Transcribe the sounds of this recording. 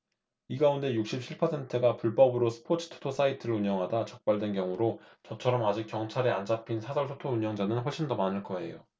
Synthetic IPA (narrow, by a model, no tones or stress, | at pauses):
iɡaunde̞juk̚ɕ͈ip̚ɕʰiɭpʰʌsʰe̞ntʰɯɡapuɭp͈ʌbɯɾosʰɯ̥pʰot͡ɕʰɯ̥tʰo̥tʰos͈aitʰɯɾɯɭuɲʌŋɦadat͡ɕʌk̚p͈aɭdwe̞nkjʌŋuɾot͡ɕʌt͡ɕʰʌɾʌmad͡ʑik͈jʌŋt͡ɕʰaɾeand͡ʑapʰinsʰasʰʌɭsʰotʰouɲʌŋd͡ʑanɯnɸʌɭɕ͈indʌmanɯɭk͈ʌe̞̰jo̰